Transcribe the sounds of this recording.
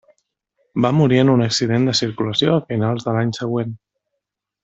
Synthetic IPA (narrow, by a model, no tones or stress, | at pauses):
bamuɾienunəksið̞end̪əsiɾkuləsjoafinalˠzðəlaɲsəɣwen